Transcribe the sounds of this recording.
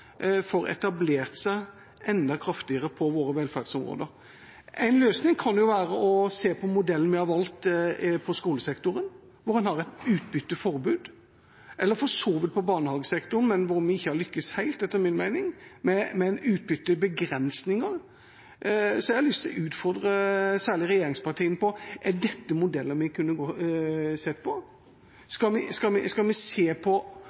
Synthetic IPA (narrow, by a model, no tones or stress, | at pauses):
fɔɾɛ̰t̪ɑbleːɾt̪sæɪ | ɛnd̪ɑkʰɾɑft̪ɪəɾəpʰɔʋoːɾəʋɛlfæɾd̪sɔmɾo̰ːd̪əɾ | æɪnløːsnɪŋkʰɑnjʊʋæːɾəɔseːpʰɔmʊd̪ɛlənmɪhɑʋɑlt̪pʰɔskuːləsɛkt̪ʊɾən | ʋʊɾhɛnhɑɾɛɪt̪ʉːt̪̚bʏt̪ːəfɔɾbʉːd̪ | ʔɛlːəɾfɔʂoːʋɪt̪̚pʰɔbɑːɳəhɑːɡəsɛkt̪ʊn̩mɛnʋʊɾmʋɪɪçːəhɑɾlʏkːəshæɪlt̪ɛt̪ːəɾmɪnmæɪnɪŋmɛmɛnʉːt̪̚bʏt̪ːəbəɡɾɛnsnɪŋəɾ | sɔæɪhɑlʏst̪ɪlʉːt̪fɔɾd̪ɾəsæːɭɪɾɛjeːɾɪŋspɑt̪ʰiːənpɔʔæɖɛt̪ːəmʊd̪ɛlːəɾmɪkʰʉnːəɡo | sɛt̪ːpʰɔ | skɑmɪskɑmɪ̰skɑlmɪseːpʰɔ